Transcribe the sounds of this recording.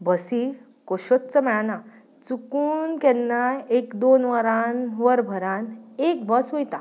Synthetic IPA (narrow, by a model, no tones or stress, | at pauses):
bəsi | koɕot̪t͡səmɛɭana | t͡sukuːnkɛnːajekd̪onʋəɾãnʋəɾbʱəɾanek̚bəsʋojt̪a